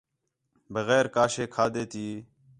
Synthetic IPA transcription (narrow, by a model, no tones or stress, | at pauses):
bəɣɛːɾkaːʃeːkʰaːd̪eːt̪iː